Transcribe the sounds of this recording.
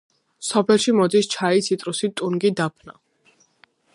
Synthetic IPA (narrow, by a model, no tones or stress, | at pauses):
sɔpʰɛlˠʃimɔd̪ist͡ʃʰait̪sʰit̪ʼɾusit̪ʼunɡid̪apʰna̰